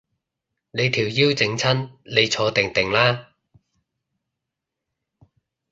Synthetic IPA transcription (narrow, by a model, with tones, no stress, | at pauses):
ne˨˧jt̪ʰiː˨˩wjiː˥wt͡sɪ˨˥ŋt͡sʰɐ˥nle˨˧jt͡sʰɔː˨˧t̪ɪ˨˩ŋt̪ɪ˨˩ŋlaː˥